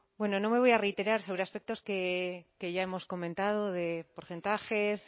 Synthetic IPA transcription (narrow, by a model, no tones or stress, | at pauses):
bwe̞no̞no̞me̞βo̞jare̞jt̪e̞ɾaɾso̞β̞ɾeaspe̞k̚t̪o̞skeke̞ʝae̞mo̞sko̞mẽnt̪að̞o̞ðe̞po̞ɾθe̞nt̪axes